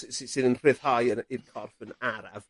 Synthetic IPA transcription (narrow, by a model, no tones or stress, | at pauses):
ssisɨnənr̥ɪðhajənɪðkʰɔrfənaɾav̥